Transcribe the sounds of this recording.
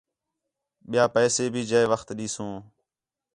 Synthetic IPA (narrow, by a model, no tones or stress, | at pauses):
ɓɪjaːpɛːseːbʱiːd͡ʒeːʋəxt̪ɗiːsõː